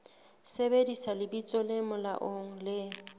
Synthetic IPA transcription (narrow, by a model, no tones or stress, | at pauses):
sebedisalɪbit͡sʼɔlɪmʊla̰ʔoŋ̩lɪ